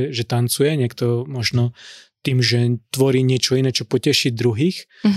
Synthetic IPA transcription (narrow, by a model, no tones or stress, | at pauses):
ʒɛt̪ant͡sujɛɲɪɛkt̪ɔmɔʒnɔt̪iːmʒɛt̪ʋɔɾiːɲɪɛt͡ʃɔinɛːt͡ʃɔpɔcɛʃid̪ɾuɦiːx